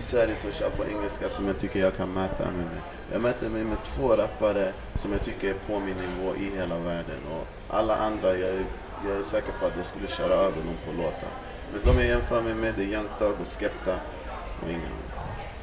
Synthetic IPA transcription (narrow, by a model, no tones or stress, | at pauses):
ɪsvæɾjəsɔɕœ̰ːpʰɔʔɛŋːəlskasɔmjaɡt̪ʰʏkːəɾjɑːɡ̚kʰanmɛːt̪ʰa̰mɛmɛj | jɑ̰ːɡmɛːt̪əɾmɛjmɛt̪ʰvoːɾapːaɾə | sɔmjaːɡ̚t̪ʰʏkːəɾpʰɔmɪnːɪvoːʔɪɦeːlavæːɖə̰nɔ̰ | ʔa̰lːaʔand̪ɾajɑːæ | jɑæʂɛːkəɾpʰɔat̪jaskɵlːəɕœːɾaøːvd̪ɛnɔmfʰɔloːt̪ʰa̰ | mɛnd̪ɔmjajɛnːfœːɾmɛmɛd̪ɛjɛnk̪d̪ɑːɡɔskɛpt̪a | ʔɔ̰ɪŋːə̰na̰n